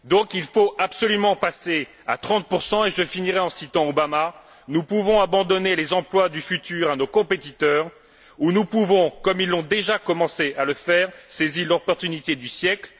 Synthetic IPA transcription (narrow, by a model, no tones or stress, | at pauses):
d̪ɔ̃kilfoapsɔlymɑ̃pase | a̰t̪χɑ̃t̪̚puʁsɑ̃eʒəfiniʁɛɑ̃sit̪ɑ̃obama | nupuvɔ̃abɑ̃d̪ɔnelezɑ̃plwad̪yfyt̪yʁanokɔ̃pet̪it̪œʁ | unupuvɔ̃kɔmilːɔ̃d̪eʒakɔmɑ̃sealəfɛːʁsezilɔpɔʁt̪ynit̪ed̪ysjɛkl